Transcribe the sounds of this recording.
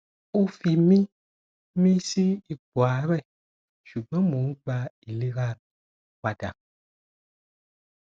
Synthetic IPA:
o˦fi˨mĩ˦ | mĩ˦si˦i˨ɡ͡bwa˨˦ɾɛ˦˨ | ʃu˨ɡ͡bɛ̃˦mõ˨˦ŋ̩˦k͡pa˦i˨li˦ɣa˦ | wa˨da̰˨

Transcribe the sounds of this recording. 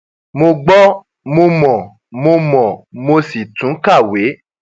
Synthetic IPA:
mo˧ɡ͡bɔ˦ | mo˧mɔ̃˨ | mo˧mɔ̃˨mo˧si˨tũ˨˦ka˦˨we˨˦

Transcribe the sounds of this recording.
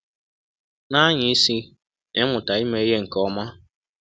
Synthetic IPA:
na˦ɲɪ˨i˦si˦ | ɪ˦mʊ˨ta˨i˦me˦ɦe˦ŋ̩˨kɔ˦ma˦

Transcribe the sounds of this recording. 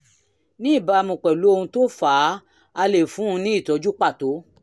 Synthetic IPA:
nĩ˦i˦˨ba˧mũ˨k͡pɛ˨lu˨˦o˧hũ˧to˦fa˨˦ | a˧le˨fũ˨˦˧nĩ˦i˦˨tɔ˨˦d͡ʒu˦k͡pa˦˨to˨˦

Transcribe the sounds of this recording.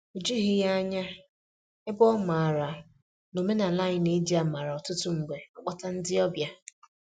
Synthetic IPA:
u˨d͡ʒi˦ɦɪ˦ja˦ɲa˦ | e˦bɔ˦ma˨a˨ɾa˨ | no˨me˦na˨la˦ɲɪ˨ni˦di˦a˨ma˨ɾa˨ɔ˨tʊ˦tʊ˦ŋ͡m̩˨ɡ͡be˨ɔ˦k͡pa˦ta˦n̩˦dɪ˦ɔ˦bja˦

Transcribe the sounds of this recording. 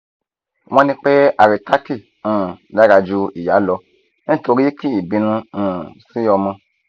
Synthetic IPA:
w̃ɔ̃˦nĩ˧k͡pe˦a˨ɾi˨ta˦ki˦˨ | ũ˦˨la˦ɾa˧d͡ʒu˦i˨ja˨˦lɔ˧ | nĩ˦to˧ɾi˦ki˦i˨bĩ˨˧nũ˧ũ˦˨si˨˦ɔ˧mɔ̃˧

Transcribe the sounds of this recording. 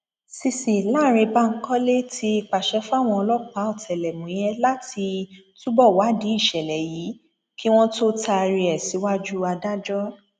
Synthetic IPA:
si˧si˨la˦˨ɾ̃ĩ˧ba˦ŋ̩˦kɔ˦le˦tʰi˧i˨k͡pa˨ʃɛ˧˦fa˦˨w̃ɔ̃˧ɔ˧lɔ˦k͡pa˨˦ɔ˦˨tʰɛ˨lɛ˨mũ˨˦j̃ɛ̃˦la˦ti˧tu˦bɔ˦˨wa˨˦di˨˦i˦˨ʃɛ˨lɛ˨ji˨˦ | ki˦w̃ɔ̃˦to˦ta˧ɾi˧ɛ˨si˨˦wa˦d͡ʒu˦a˧da˦d͡ʒɔ˦

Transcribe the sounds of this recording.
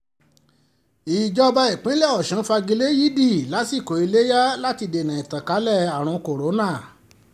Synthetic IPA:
iː˨d͡ʒɔ˧ba˧i˨k͡pẽ˨˦lɛ˦˨ɔ˨ʃã˨˦fa˧ɡi˧le˦ji˦di˦˨la˨˦si˦˨ko˨i˧le˦ja˦la˦ti˧de˨nã˨i˨tã˨ka˨˦lɛ˦˨a˨ɾ̃ɔ̃˧ko˨ɾo˨˦nã˦˨

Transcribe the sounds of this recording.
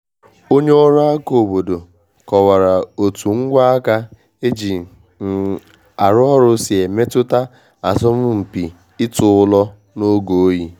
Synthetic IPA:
o˦ɲe˦ɔ˦ɾʊ˦a˦ko˨bo˨do˨ | kɔ˨wa˨ɾa˨o˨tu˨ŋ̩˦ɡʷa˦a˦ka˦ | e˦d͡ʒi˨˦˨ | a˨ɾʊ˦ɔ˦ɾʊ˦si˨e˨me˦tʊ˦ta˦ | a˨zɔ˦m̩˦m̩˨pi˨ | ɪ˦tʊ˦ʊ˦lɔ˦ | no˦ɡo˨˦ji˦

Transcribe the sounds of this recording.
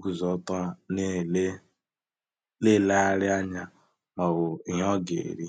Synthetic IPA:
ɡu˨zɔ˦tɔ˦ne˦ | le˦la˦a˦ɾɪ˦a˦ɲa˦ | mɔ˨ɣʊ˨ɦɔ˦ɡḛ˨ɾi˦

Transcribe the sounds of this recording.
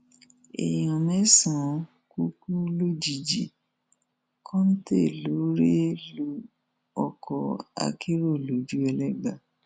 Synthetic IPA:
ḛ˨j̃ɔ̃˨mɛ̃˨˦sã˨˦ | ku˦ku˦lo˦d͡ʒi˨d͡ʒi˨ | kʰɔ̃˦n̩˦te˦˨lo˨˦ɾe˦lo˦ | ɔ˧kʰɔ˧a̰˨˧kʰi˦ɾo˦˨lo˨˦d͡ʒu˦ɛ˧lɛ˦ɡ͡ba˦˨

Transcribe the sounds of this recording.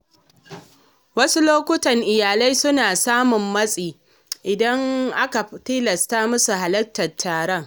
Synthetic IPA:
wɐ˦su˦loː˦kʷʊ˦tɐ˨ŋʔɪ˨jaː˨la˦jsʊ˦naː˨saː˦mʊ˨mːɐ˦sʼiː˨ | ʔɪ˨dɐ˦ŋʔa˦ka˨tiː˦lɐ˨staː˦mʊ˦su˨ɦa˨lɐ˦ktːɐ˨tʰːaː˨ɽɐ˦ŋ

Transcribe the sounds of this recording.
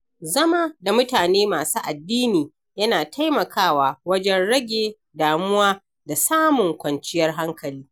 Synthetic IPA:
zɐ˦ma˦da˨mʊ˦taː˨neː˦maː˨suː˦ʔa˨dːiː˦niː˨ | jɐ˦naː˨tʰa˦jmɐ˨kʰaː˦waː˨wɐ˦d͡ʒɛ˦nɽɐ˦ɡʲeː˨ | daː˨mʊ˦waː˦ | da˨saː˦mʊ˨ŋkʷɐ˨nt͡ʃɪ˦jɐ˦rɦa˦ŋkɐ˨liː˦

